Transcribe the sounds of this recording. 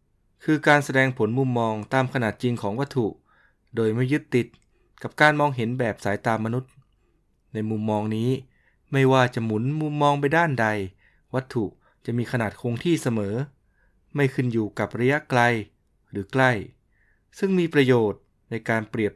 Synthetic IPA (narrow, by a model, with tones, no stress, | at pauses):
kʰɯː˧kaː˧nsa˧dɛː˧ŋpʰo˩˦nmu˧mːɔː˧ŋt̪aː˧mkʰa˧naː˨˩t̪̚t͡ɕi˧ŋkʰɔː˩˦ŋwa˦˥t̪ʰːu˨˩ | doː˧jma˥˩jːɯ˦˥t̪ːi˨˩t̪̚ | ka˨˩p̚kaː˧nmɔː˧ŋɦe˩˦nbɛː˨˩p̚saː˩˦jt̪aː˧mːa˧nu˦˥t̪̚ | na˧jmu˧mːɔː˧ŋniː˦˥ | ma˥˩jwaː˥˩t͡ɕa˨˩ʔmu˩˦nmu˧mːɔː˧ŋpa˧jdaː˥˩nda˧j | wa˦˥t̪ʰːu˨˩ʔ | t͡ɕa˨˩miː˧kʰa˧naː˨˩t̪̚kʰoː˧ŋt̪ʰiː˥˩sa˧mɤː˩˦ | ma˥˩jkʰɯ˥˩njuː˨˩ka˨˩p̚ɾa˧ja˦˥ʔkla˧j | ɾɯː˩˦kla˥˩j | sɯ˥˩ŋmiː˧pɾa˧joː˨˩t̪̚ | na˧jkaː˧npɾi˨˩əp̚